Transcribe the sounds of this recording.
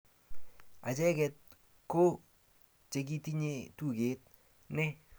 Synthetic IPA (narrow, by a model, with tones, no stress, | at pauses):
a̰˨t͡ʃɛ˦kɛ˨t̚ | ko˦ | t͡ʃe˨k̬i˦ti˦ɲe˦tu˦˨ke˨˦t̚ | nɪ˦